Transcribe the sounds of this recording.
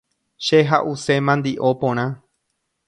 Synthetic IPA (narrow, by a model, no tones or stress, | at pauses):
ʃeɦaʔuse̞mãnd̪iʔo̞põɾ̃ã